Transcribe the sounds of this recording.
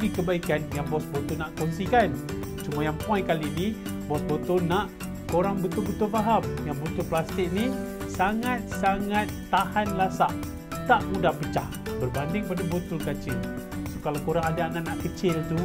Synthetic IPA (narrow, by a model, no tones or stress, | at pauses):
dikəbaikanjaŋbɔsbot̪ʊlnaʔkɔŋsikan | t͡ʃumajaŋpuajkalini | bɔsbot̪ʊlnaʔ | koɾaŋbət̪ʊlbət̪ʊlfaɦamjaŋbot̪ʊlplast̪ɪk̚ni | saŋat̪̚saŋat̪ːahanlasaʔ | t̪aʔmudahpət͡ʃah | bərbandɪŋ̚padabot̪ʊlkat͡ʃɪlsokalakoɾaŋadaːnaʔnaʔkət͡ʃɪlt̪u